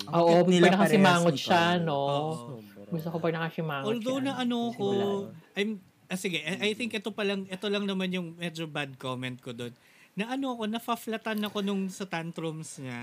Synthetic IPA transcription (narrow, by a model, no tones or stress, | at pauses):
ʔoːʔop̪ɐɡnɐkɐsɪmaːŋot̪ʃano̞ɡʊst̪okopɐɡ̚nɐkɐsɪmaːŋʔold̪ownɐʔɐnoɐko̞ʔɐjm | ʔɐsɪɡɛʔʔɐjθɪŋkʔɛt̪o̞pɐlɐŋʔɛt̪o̞lɐŋnɐmanjʊŋmɛd͡ʒobad̪̚komɛnt̪̚kod̪o̞nː | ɐʔɐno̞ɐko̞nɐfɐflɐt̪anɐko̞nʊŋsɐt̪ant̪ɾomsŋɐ